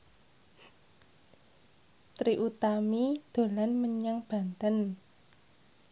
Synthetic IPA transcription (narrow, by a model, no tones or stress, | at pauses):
t̪ɾiʔut̪amid̪̥o̤lanməɲaŋb̥a̤nt̪ən